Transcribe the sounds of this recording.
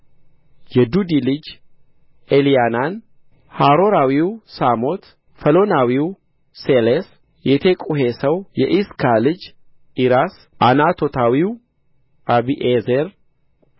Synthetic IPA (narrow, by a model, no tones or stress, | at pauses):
jɛd̪ud̪ilɨd͡ʒ | elijanan | haɾoɾawiwsamo̞t̪ | fəlo̞nawiw | seles | jɛt̪ʰekʼuɦesəwjɛʔiskʰalɨd͡ʒ | iɾas | ʔanat̪ʰo̞t̪ʰawiw | ʔabiʔezeɾ